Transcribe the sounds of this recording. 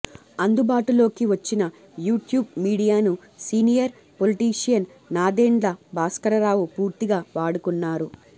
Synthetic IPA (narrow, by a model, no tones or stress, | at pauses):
ɐnd̪ubaːʈulo̞ːkiʋɐt͡ʃːinɐ | juːʈjuːb̚miːɽijaːnu | siːnijɐɾ | po̞liʈiːʂijɐnː | aːd̪eːɳɖlɐbaːskɐɾɐɾaːʋupuːɾt̪iɡaːʋaːɽukunːaːɾu